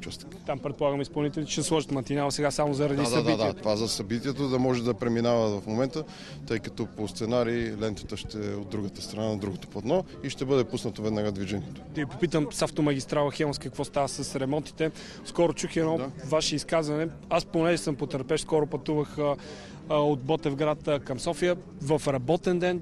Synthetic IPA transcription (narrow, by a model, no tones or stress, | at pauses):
t͡ʃast̪kt̪ampɾɛt̪̚polˠaɡəmispɐlˠnit̪ɛlʲit͡ʃɛɐslˠɔʒət̪mɐnt̪inalˠɐsɛɡasamozɐɾɐd̪isɐitd̪iɛt̪ovazɐsɐbit̪iɛt̪od̪ɐmɔʒɛd̪ɐpɾɛminavəvɐfmomɛnt̪ə | t̪ɤjkɐ̥t̪ɔpost̪sɛnaɾiːlɛnt̪ə̥t̪əʃt̪ɛod̪ːɾuɡət̪ə̥st̪ɾɐnanɐd̪ɾuɡot̪o̥pɐt̪nɔ | iʃt̪ɛbɤd̪ɛpusnət̪ovɛd̪naɡad̪viʒɛniɛt̪o̥t̪ɛvipopit̪əmsaft̪omɐɡʲist̪ɾalˠəxɛmˠskəkvɔst̪avəsɐsɾɛmɔnt̪i̥t̪ɛ | skɔɾʊt͡ʃuxiɛnɔvaʃɛiskazvɐnɛ | asponɛʒɛsɐmpot̪əɾpɛʃskɔɾʊpɐt̪uvəxə | od̪̚bɔt̪ɛvɡɾat̪əkɐmsɔfijə | vɐfɾɐbɔt̪ɛnd̪ɛn